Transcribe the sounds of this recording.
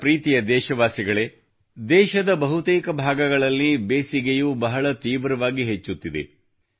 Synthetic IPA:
pɾiːt̪ijɐd̪ɛːʃɐʋaːsiɡɐɭe̞ | d̪ɛːʃɐd̪ɐbɐɦut̪eːkɐbʱaːɡɐɡɐɭɐlːibeːsiɡejubɐɦɐɭɐt̪iːʋɾɐʋaːɡiɦet͡ʃːut̪ːid̪ḛ

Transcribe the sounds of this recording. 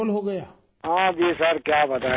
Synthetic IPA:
lɦoɡɐjaː | ɦãbʱisəɾkjaːbɐt̪a

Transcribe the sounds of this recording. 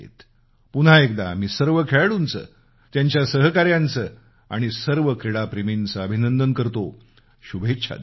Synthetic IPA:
ḛt̪ | puɽ̤aek̚d̪a̰miːsəɾʋəkʰeɭɽunt͡sə̰ | t̪jaɲt͡ɕjasəɦkaɾjant͡sə | a̰ɽ̃isəɾʋəkɾiɽapɾemint͡səəbʱinənd̪ənkəɾt̪o | ɕubʱetːɕʰa̰d̪

